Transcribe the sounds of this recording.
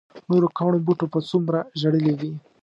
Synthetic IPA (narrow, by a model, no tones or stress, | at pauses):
noɾokɑwɳobuʈopat͡sumɾaʒaɽəlewi